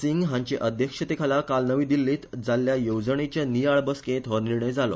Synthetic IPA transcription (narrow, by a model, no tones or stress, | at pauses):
siŋɡɦãɲt͡ɕeʔəd̪ʱjəkʂət̪ekʰalakalnəʋiːd̪ilːiːt̪d͡zalːjajowd͡zəɳet͡ɕjanijaɭbəskẽt̪ʰɦəniɾɳəjd͡zalɔ̰